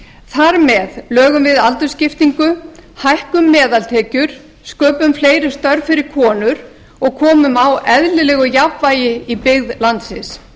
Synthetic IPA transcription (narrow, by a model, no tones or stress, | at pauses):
θaɾmɛðlœːɣʏmvɪðalt̪ʏ̥scɪft̪iŋkʏhajhkʏmːɛːðalt̪ʰɛːcʏɾ̥ | skœːpʏmfleːjɾɪ̥st̪œɾvfɪɾɪɾ̥kʰɔːnʏɾ | ɔɣkʰɔːmʏmawɛðlɪlɛːɣʏjapvaːjɪipɪɣðlant̪sɪs